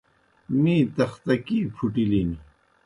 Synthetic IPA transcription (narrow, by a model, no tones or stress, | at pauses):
mĩːt̪ɐxt̪ɐkiːpʰuʈilini